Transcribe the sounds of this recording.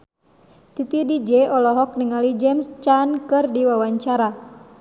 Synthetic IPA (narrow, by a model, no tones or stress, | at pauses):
t̪it̪idid͡ʒɛɔlɔɦɔk̚niŋalid͡ʒɛmst͡ʃankɨrdiwawaɲt͡ʃaɾa